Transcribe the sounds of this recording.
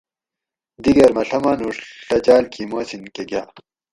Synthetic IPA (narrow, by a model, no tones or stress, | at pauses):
d̪iɡɐɾmɐɬɐmanuɾɬɐt͡ɕaːlkʰimoːsinkeɡaː